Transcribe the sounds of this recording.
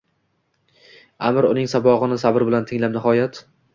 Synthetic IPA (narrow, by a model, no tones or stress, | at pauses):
amɾʊnɪŋsabɒʁɨnɪsabɪɾbɪlant̪ʰɪŋlapnɪhɒjat̪